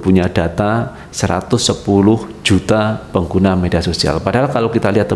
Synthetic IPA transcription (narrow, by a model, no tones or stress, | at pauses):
puɲadat̪a | səɾa̰t̪ʊsːəpulʊhd͡ʒut̪apəŋɡunamediasosia̰lpadaɦalkalawkit̪aliɦat̪